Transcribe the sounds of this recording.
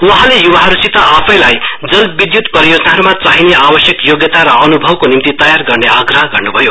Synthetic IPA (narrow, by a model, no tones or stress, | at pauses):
wʌɦãlejuwaɦʌɾusit̪aapʰʌjlajd͡zʌlbid̪jut̪pʌijod͡zʌnaɦʌɾumat͡saɦineabʌsjʌkjoɡjʌt̪aɾʌːnubʱʌbkonimt̪it̪ʌjarɡʌrneʌɡrʌɦʌɡʌrnubʱʌjo